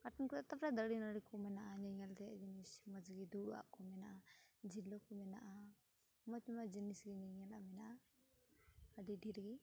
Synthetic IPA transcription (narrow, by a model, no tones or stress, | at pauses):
kaʈɔnkɔat̪apɾad̪əɽinaɽikɔmɛnaʔaɲɛŋalt̪ɛjaʔd͡ʒinismad͡ʒɡid̪uɽuwa̰ʔkɔmɛnaʔad͡ʒilɔkɔmɛna̰ʔa | mɔt̪umad͡ʒinisɡiɲɛŋalaʔmɛnaʔa | əɖiɖiɾɡi